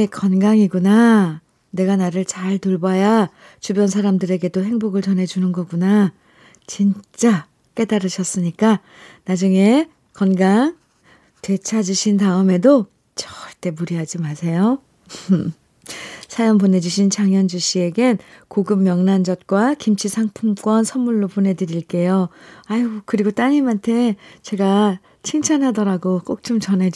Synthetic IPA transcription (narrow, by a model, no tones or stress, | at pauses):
ekʌnɡaŋiɡuna | ne̞ɡanaɾɯɭt͡ɕaɭtoɭbaja | t͡ɕubjʌnsʰaɾamdɯɾe̞ɡe̞doɦe̞ŋboɡɯɭt͡ɕʌne̞d͡ʑunɯnɡʌɡuna | t͡ɕint͡ɕ͈a | k͈e̞daɾɯɕʰʌs͈ɯɲik͈a | nad͡ʑuŋe̞ | kʌnɡaŋ | twe̞t͡ɕʰad͡ʑiɕʰintaɯme̞do | t͡ɕʌ̥ɭt͈e̞muɾiɦad͡ʑimasʰe̞jo | sʰajʌnpone̞d͡ʑuɕʰint͡ɕʰaŋjʌnd͡ʑuɕ͈ie̞ɡenkoɡɯm̚mjʌŋnand͡ʑʌt̚k͈wakimt͡ɕʰisʰaŋpʰumk͈wʌnsʰʌnmuɭːopone̞dɯɾiɭk͈e̞joaikɯɾiɡot͈aɲimantʰe̞t͡ɕe̞ɡa | t͡ɕʰiŋt͡ɕʰanɦadʌɾaɡok͈ok̚t͡ɕ͈omt͡ɕʌne̞